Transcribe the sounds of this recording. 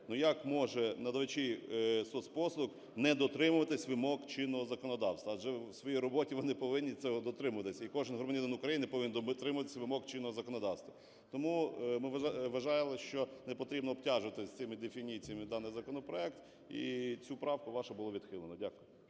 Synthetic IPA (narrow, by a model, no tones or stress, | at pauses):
nujakmɔʒɛnɐd̪ɐʋɪt͡ʃʲɪjsɔspɔslˠʊk | nɛd̪ɔt̪ɾɪmʊʋɐt̪ɪsʲʋɪmɔkt͡ʃɪnːɔɦɔzɐkɔnɔd̪ɑwst̪ʋɐʒɛwsʋɔjijɾɔbɔtʲiʋɔnɪpɔʋɪnʲːisʲɔɦɔd̪ɔt̪ɾɪmʊʋɐt̪ɪsʲɐikɔʒɪnɦʊɾmɐnʲid̪ɐnʊkɾɐjinɪpɔʋʲɪnd̪t̪ɾɪmʊʋɐt̪ɪ̥sʲɐʋɪmɔkt͡ʃɪnːɔɦɔzɐkɔnɔd̪ɑwst̪ʋɐ | t̪ɔmumɪʋɐʒɑjɪlˠɪʃt͡ʃɔnɛpɔt̪ɾʲibnɔːb̚tʲɑʒʊʋɐt̪ɪsʲt̪ɪmɪd̪efʲinʲit͡sʲijɐmɪd̪ɑnɪjzɐkɔnɔpɾɔɛkt̪ | ḭt͡sʲupɾɑwkʊʋɑʃɐbʊlˠɔʋʲid̪xɪlˠenɔdʲakʊj